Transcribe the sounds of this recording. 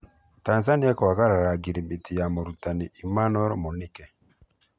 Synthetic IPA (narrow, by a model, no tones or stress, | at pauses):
tanzaniakɔwakaɾaɾaɡiɾimitʰijamɔɾutaniʔimanɔɾmɔnikɛ